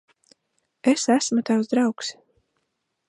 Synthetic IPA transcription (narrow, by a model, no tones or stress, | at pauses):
esæsmut̪awzd̪ɾawks